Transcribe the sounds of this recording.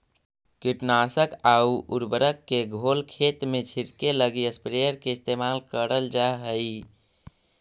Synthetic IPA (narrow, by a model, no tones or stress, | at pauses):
kiʈnasəkauuɾbəɾəkːeɡʱolkʰet̪met͡ʃʰiɾkeləɡiəspɾejəɾkeɪst̪emalkəɾəld͡ʒaɦəi